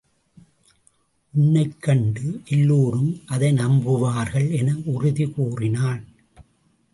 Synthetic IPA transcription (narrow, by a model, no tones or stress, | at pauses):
ʔʊɳːɐɪkːɐɳɖɯʔɛlːuːɾɯmʔɐðɐɪnɐmbɯʋaːɾɣɐɭɛnɐʔʊrʊðikuːrɪnaːn